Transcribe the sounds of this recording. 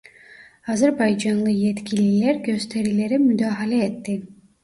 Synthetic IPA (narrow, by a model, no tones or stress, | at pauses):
ɑzaɾbɑjd͡ʒɑnlˠɯjet̪kʲʰilileɾɡø̞st̪ʰe̞ɾile̞ɾimyd̪aːxalʲeet̪ːi